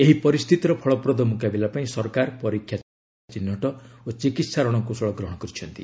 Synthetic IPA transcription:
eɦipɔɾist̪ʰit̪ɔɾɔpʰɔɭɔpɾɔd̪ɔmukabilapaĩsɔɾkaɾpɔɾikʰːja | t͡ʃinːɔʈɔot͡ʃikit̪saɾɔɽ̃ɔŋkusɔɭɔɡɾɔɦɔɽ̃ɔkɔɾit͡ʃʰɔnt̪i

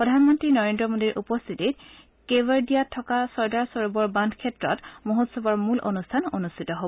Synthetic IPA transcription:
ppɹɔdʱanmɔntɹinɔɹendɹɔmodiɹʔupɔst̪ʰitit | kebaɹdijatʰːɔkasɔɹdaɹsɔɹubɔɹbandʰʱkʰɛtɹɔtmuɦotsɔbɔɹmulʔo̰nustʰanonustʰitɔɦobɔ

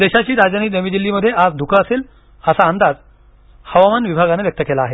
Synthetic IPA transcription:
d̪eɕat͡ɕiːɾad͡ʑaniːnəʋiːd͡ʑilːiːməd̪ʱːjead͡zd̪ʱukʰəəseːl | əsaənd̪ad͡z | həʋamanʋibʱaɡaneʋjək̚t̪əkelaːɦe

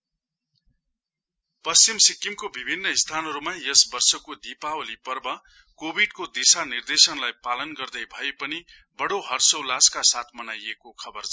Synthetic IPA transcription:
pʌst͡ɕimsikːimkobibʱinːʌist̪ʰanɦʌɾumajʌsbʌrsʌkod̪ipaolipʌrbʌ | kobʱiɖkod̪isanird̪esʌnlajpalʌnɡʌrd̪ʌjbʱʌepʌni | bʌɽoɦʌrsʌwlaskasat̪ʰmʌnajekokʰʌbʌrt͡s

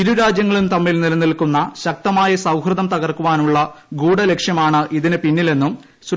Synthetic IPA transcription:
iɾuɾaːd͡ʑjɐŋːɐɭumt̪ɐmːilnilɐnːilkunːɐɕɐk̚t̪ɐmaːjɐsɐwhrɨðɐmt̪ɐɣɐrkuʋaːnuɭːɐɡuːɽɐle̞kʂjɐmaːɳɨʔiðinɨpinːile̞nːum | s

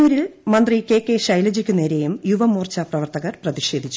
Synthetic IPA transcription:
uːɾilmɐnd̪rike̞ːkːe̞ʂɐjlɐd͡ʑikʲːune̞ːɾe̞jumjuʋɐmuːrt͡ɕɐprɐʋɐrt̪ɐɣɐrprɐðiɕe̞ːd̪ʱit͡ɕːu

